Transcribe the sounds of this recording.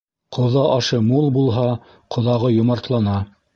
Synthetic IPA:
qʰŏðɑʔɑʃɤmulˠbulˠɦɑ | qʰŏðɑʁɤjŏmɑɾt̪lˠɑnɑ

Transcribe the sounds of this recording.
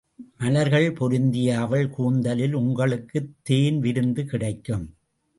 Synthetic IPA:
mɐlɐɾɣɐɭpɔɾɯnd̪ɪjaːʋɐɭkuːnd̪ɐlɪlʊŋɡɐɭɯkːɯt̪ːeːnʋɪɾɯnd̪ɯkɪɽɐɪkːɯm

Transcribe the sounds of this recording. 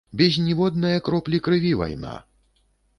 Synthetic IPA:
bʲɛzʲnʲivɔd̪nɐjɐkɾɔplʲikɾɨvʲiva̰jna̰

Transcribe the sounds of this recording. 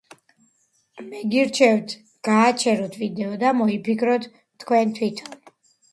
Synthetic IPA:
mɛɡiɾt͡ʃʰɛvt̪ʰ | ɡ̥aːt͡ʃʰɛɾɔt̪ʰvid̪ɛɔd̪amɔipʰikʰɾɔt̪ʰ | t̪ʰkʰwɛnt̪ʰwit̪ʰɔn

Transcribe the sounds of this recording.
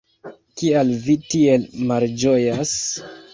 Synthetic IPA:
kialvitielmald͡ʒojas

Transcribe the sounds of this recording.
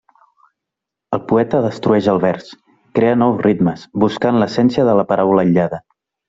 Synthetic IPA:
əlˠpuɛt̪əðəst̪ɾuɛʒəlˠβɛɾs | kɾeənɔwsrit̪məsβuskanləsɛnsiəðələpəɾawləːʎːaðə

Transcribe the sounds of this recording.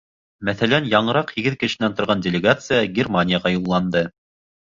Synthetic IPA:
mæθælænjɑɴɤ̆ɾɑqhiɡɘðkɘ̆ʃɘ̆nænt̪ŏɾʁɑndʲɪlʲɪɡat̪sɨjaɡʲɪrmanʲɪjəʁɑjulˠːɑnd̪ɤ

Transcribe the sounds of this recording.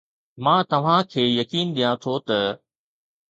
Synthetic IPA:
mãːt̪ɐʋ̤ãkʰeːjɐkiːnɗijãt̪ʰot̪ɐ

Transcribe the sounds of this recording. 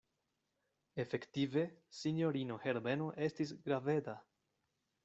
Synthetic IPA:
e̞fe̞ktive̞siɲo̞ɾino̞he̞ɾme̞no̞ʔe̞stisɡɾave̞da

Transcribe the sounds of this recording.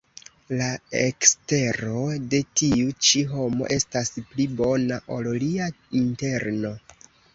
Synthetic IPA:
laekste̞ɾo̞de̞tiut͡ʃiɦo̞mo̞̰ʔe̞stasplibo̞naʔo̞llia | inte̞ɾno̞

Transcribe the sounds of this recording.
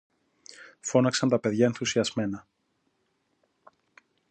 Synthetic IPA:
fo̞nɐksɐnt̪ɐpe̞ðʝɐe̞nθusiɐzme̞nɐ

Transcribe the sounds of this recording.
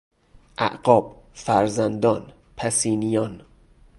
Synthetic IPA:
ʔæ̰ʔɢɒːb̥ | fæɾzænd̪ɒːn | pʰæsiːnijɒːn

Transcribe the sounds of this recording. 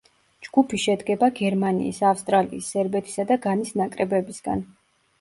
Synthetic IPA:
d͡ʒɡ̥upʰiʃɛd̪ɡɛbaɡɛɾmanḭːsafst̪ʼɾaliisːɛɾbɛt̪ʰi̥sad̪aɡanisnakʼɾɛbɛbisɡ̥a̰n

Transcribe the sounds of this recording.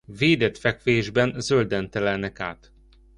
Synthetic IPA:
veːd̪ɛt̪fɛkʋeːʒbɛnzøld̪ɛnt̪ɛlɛlnɛka̰ːt̪

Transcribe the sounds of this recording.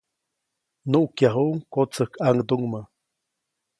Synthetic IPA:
nuʔkjaɦuŋkot͡səhkʰaŋd̪uŋmə

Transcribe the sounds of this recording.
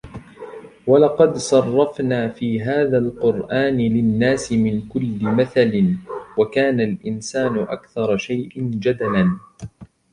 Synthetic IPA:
walɑqɑd̪sˤɑrˤːɑfnaːfiːɦaːðalqʊɾʔaːnɪlɪnːaːsɪmɪnkʊlːɪmaθalɪnwakaːnalʔɪnsaːnʊʔa̰kθɑɾˤɑʃajʔɪnd͡ʒad̪alan

